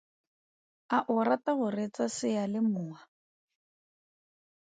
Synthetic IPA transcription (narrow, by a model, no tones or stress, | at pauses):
aʔʊɾataɣʊret͡sasɪjalɪmʊːa